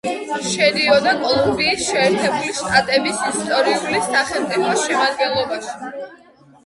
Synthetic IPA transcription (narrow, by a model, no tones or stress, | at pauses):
ʃɛd̪iɔd̪akʼɔlˠɔmbiːsʃɛːɾt̪ʰɛbuliʃt̪ʼat̪ʼɛbisist̪ʼɔɾiulisːaχɛmt̪ʼipʰɔsʃɛmad̪ɡɛnlˠɔbaʃi̥